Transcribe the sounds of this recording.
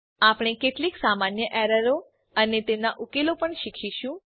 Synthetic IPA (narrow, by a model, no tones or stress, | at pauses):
apɽ̃ekeʈliksamanjəʔɛɾəɾo | ənet̪emnaʔukelopəɳʃikʰiʃũ